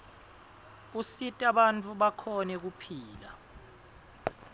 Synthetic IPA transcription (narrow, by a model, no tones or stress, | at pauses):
usitʼaɓant͡fʰʼuɓakʰɔnɛk̬upʰiːla̰